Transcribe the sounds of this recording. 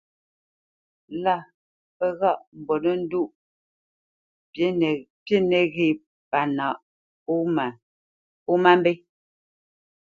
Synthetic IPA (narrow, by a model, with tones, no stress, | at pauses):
la˦˨ | pə˦ɣa˦˨ʔm̩˨bɔ˨nə˦n̩˦du˦˨ʔ | pje˦ne˨ɣi˨ | pa˨na˨ʔ | m˨ | u˦ma˦m˦be˦